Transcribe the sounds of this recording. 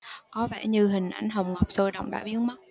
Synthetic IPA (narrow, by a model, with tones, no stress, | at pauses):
kɔ˨˦vɛ̰ː˧˩ɲɨ˧ɦï˨˩ŋ̟ʔa˧˩jŋ̟ɦə˨˩wŋ͡mŋə˨˩wp̚soː˧jɗə̰˧˨wŋ͡mɗa̰ː˧˩jɓi˨˦ənmə˦˥t̚